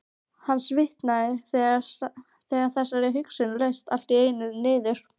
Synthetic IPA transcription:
hanːsvɪht̪naðɪθɛɣaɾs | θɛːɣaɾ̥θɛsːaɾɛɦʏksʏnlejst̪al̥t̪ieːjnʏðnɪːðɪɾ̥

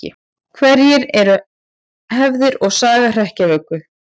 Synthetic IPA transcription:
ɪ̰ | kʰvɛɾjɛɾɛɾʏ | hɛvðɪɾɔɣsaːɣar̥ɛhcavœkvʏθ

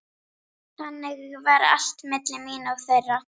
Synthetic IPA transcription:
θanːɪɣvaɾa̰l̥t̪mɪt̪lɪmiːnaɣθœrːa

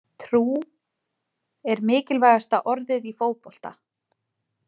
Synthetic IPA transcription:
t̪ʰɾuː | ɛɾmɪːcɪlvaːjɣast̪aʔɔɾðɪðifoːwpol̥t̪a̰

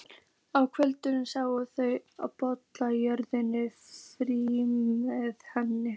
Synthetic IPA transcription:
awkʰvœlt̪ʏnʏmsawɣʏθœɥaðpɔt̪lajœɾðɪnɪfɾimɛðhɛnːɪ

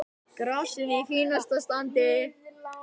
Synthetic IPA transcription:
kɾasɪnifiːnast̪ast̪ant̪ɪ

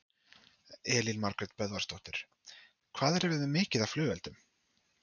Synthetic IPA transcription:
ɛːlilmaɾkɾɛt̪̚pœðvaɾ̥st̪ɔwht̪ɪɾ̥ | kʰvaːðɛɾɛɾɛðʏmɪːcɪðḁflʏːvɛlt̪ʏm

